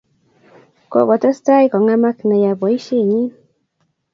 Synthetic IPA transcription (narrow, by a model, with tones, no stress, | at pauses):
ko̰˨ko˨t̪a˦st̪a˦jko˨ŋa˦ma˦kna˨ja˨bo˨i˦ʃi˦ɲi˦